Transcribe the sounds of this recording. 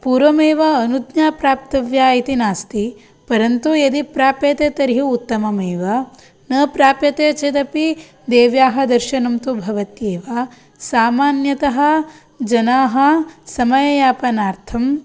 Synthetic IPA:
puːɾʋɐmeːʋɐːnud̪njaːpɾaːp̚t̪ɐʋjaːit̪inaːst̪i | pɐɾɐnt̪ujɐd̪ipɾaːpjɐt̪eːt̪ɐɾɦiut̪ːɐmɐmeːʋɐ | nɐpɾaːpjɐt̪eːt͡ʃed̪ɐpi | d̪eːʋjaːɦɐ̆d̪ɐɾʃɐnɐmt̪ubʱɐʋɐt̪jeːʋaː | saːmaːnjɐt̪ɐɦɐ̆ | d͡ʒɐnaːɦɐ̆sɐmɐjɐjaːpɐnaːɾt̪ʰɐm

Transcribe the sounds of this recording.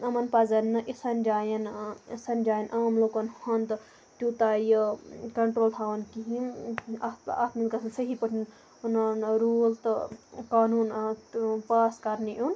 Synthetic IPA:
ɐmɐnpazɐnːɨʔisɐnd͡ʒajɐnsɐnd͡ʒaːjɐnʔaːmlokɐnhɐnd̪ | t̪ʲut̪ajəkɐɳʈɾoːlt̪ʰaːʋɐnkiɦĩ | a̰t̪milkɐsʰɐnsəɦipəʈʰin | nɐnɾult̪ɨkaːnuːn | paːskɐɾniʔon

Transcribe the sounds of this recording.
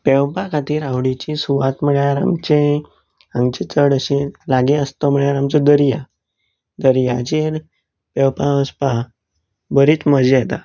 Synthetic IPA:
pewpakʰat̪iːɾawɽit͡ɕisuʋat̪m̤əɭjaɾa̰mt͡ɕe | aŋɡt͡ɕet͡səɽəɕẽlaɡeəst̪ɔm̤əɭjaɾamt͡sɔd̪əɾija | d̪əɾjat͡ɕiɾ | pɛwpaəspa | bəɾiːt͡sməd͡ʑiet̪a

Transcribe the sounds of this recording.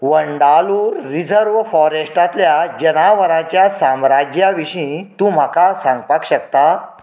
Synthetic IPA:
ʋəɳɖaluːɾːid͡zəɾʋfɔɾesʈat̪ljad͡ʑənaʋəɾãt͡ɕjasamɾad͡ʑjaʋiɕĩt̪ũːm̤akasãŋɡpakɕəkt̪a

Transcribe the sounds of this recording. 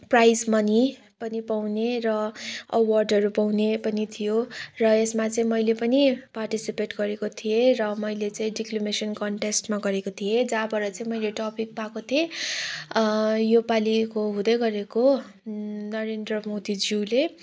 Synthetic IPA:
prajd͡zmʌni | pʌnipawneɾʌʌwʌrɖʌɾupawnepʌnit̪ʰijorʌesmat͡sʌĩmʌjlepʌniparʈisipeʈɡʌɾekot̪ʰijerʌmʌjlet͡sãĩɖiklomesʌnkʌɳʈesʈmaɡʌɾekot̪ʰijed͡zabʌɾʌt͡saĩmʌjleʈʌpik̚pakot̪ʰie | jopalikoɦũd̪ʌjɡʌɾeko | nʌɾendrʌmod̪id͡zile

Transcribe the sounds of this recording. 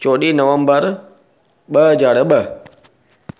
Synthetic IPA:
t͡ʃoɗinɐwɐmbəɾ | ɓəd͡ʒaɽəɓə

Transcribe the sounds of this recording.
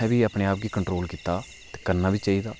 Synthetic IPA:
ɛːʋiːapɽẽːaːp̚ɡiːkəɳʈɾoːlkiːt̪ːaː | t̪eːkəɾnaːʋiːt͡ʃaːiːd̪aː

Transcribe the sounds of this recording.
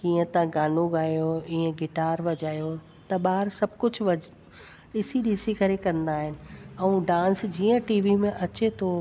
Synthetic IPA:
kiːə̃t̪ãɡaːnoɡaːjoĩə̃ɡɪʈaːɾʋɐd͡ʑaːjo | t̪ɐɓaːɾsɐbʱkʊd͡ʑʱʋɐ | ɗɪsiɗiːsikɐɾekɐ̃nd̪aːɦɪnɪ̆ɛ̃ũɖãːnsd͡ʑiːə̃ʈiːʋimẽʔɐt͡ɕet̪ʰoː

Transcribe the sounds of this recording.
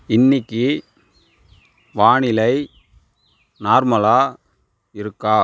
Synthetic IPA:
ɪnːɪkːɯ | ʋaːɳɪlɐɪ | naːɾmɐlaː | ɪɾɯkːaː

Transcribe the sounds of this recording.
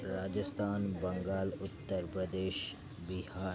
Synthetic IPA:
ɾaːd͡ʒəst̪ʰaːnbɐ̃ŋɡaːlʊt̪ːəɾpɾəd̪eːʃ | bɪhaː

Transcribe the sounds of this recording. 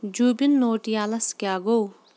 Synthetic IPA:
d͡ʒuːbinːoːʈijaːlɐskaːɡow

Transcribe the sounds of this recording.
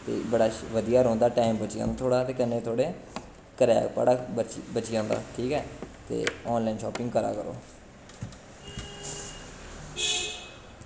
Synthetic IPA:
t̪ḛːbəɽaːʋəd̪ijaːɾõːnd̪aːʈaːɪmbət͡ʃijã̰ːnat̪ʰoːɽaːt̪eːkənːẽːt̪ʰoːɽeː | kəɾɛ̰ːpa̰ːɽaːət͡ʃbət͡ʃijãːnd̪a̰ːʈʰiːkɛːt̪ḛːɔːnlaːɪnʃɔːpɪŋɡkəɾa̰ːkəɾo̰ː

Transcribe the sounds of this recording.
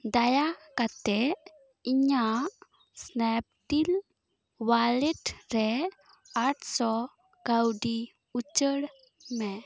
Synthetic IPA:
d̪ajakat̪ɛ | iɲa | snɛp̚t̪il | waleʈɾɛ | aʈsɔ | ɡ̥awɖi | ut͡ɕəɽ | mɛ

